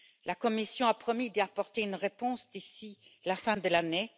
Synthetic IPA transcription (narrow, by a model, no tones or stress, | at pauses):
lakɔmisjɔ̃apχɔmid̪apɔʁt̪eynʁepɔ̃sd̪isilafɛ̃d̪əlane